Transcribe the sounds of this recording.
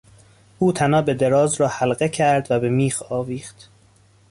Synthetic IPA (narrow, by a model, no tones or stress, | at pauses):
ʔuːt̪ʰænɒːbe̞d̪e̞ɾɒːzɾɒːhælɢecʰæɾd̪væbe̞miːxɒːviːχt̪